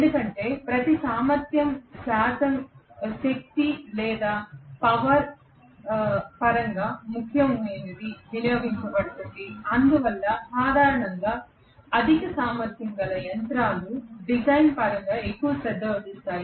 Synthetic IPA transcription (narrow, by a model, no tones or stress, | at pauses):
end̪ukɐɳʈe̞ːpɾɐt̪isaːmɐɾt̪jɐmʃaːt̪ɐmʃɐk̚t̪ilɛːd̪aːpɐʋɐɾ | pɐɾɐŋɡaːmukʰjɐmʋeːnid̪iʋinjoːɡiɲt͡ʃɐbɐɽut̪und̪iɐnd̪uʋɐlːɐsaːd̪ʱaːɾɐɳɐŋɡaː | ɐd̪ʱikɐsaːmɐɾt̪ʰjɐŋɡɐlɐjɐnt̪ɾaːluɖid͡ʒɐjnpɐɾɐŋɡaːekːuʋɐsɛd̪ːɐʋɐd̪ist̪aːji